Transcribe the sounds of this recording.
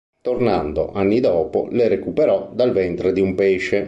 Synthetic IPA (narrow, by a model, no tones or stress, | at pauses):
t̪ornand̪oʔanːid̪ɔːpo̰leɾekupeɾɔd̪alvɛnt̪ɾed̪iumpeːʃe